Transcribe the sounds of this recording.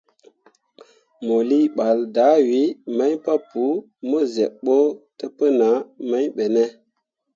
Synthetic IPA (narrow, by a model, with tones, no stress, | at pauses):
mo˨li˦ɓa˨lda˨˦wi˨˦ma˦jpa˦pu˨˦ | mo˦ze˨ɓo˦tə˦pə˦na˨˦ma˦ɲɓe˨ne˦